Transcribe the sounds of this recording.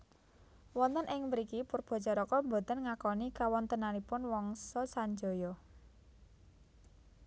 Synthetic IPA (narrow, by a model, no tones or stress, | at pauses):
wɔnt̪ənʔɪŋwəɾikipʊrb̥ɔ̤t͡ʃɔɾɔkɔmbo̤t̪ənŋakɔnikawɔnt̪ənalipʊnwɔŋsɔsaɲd͡ʒo̤jɔ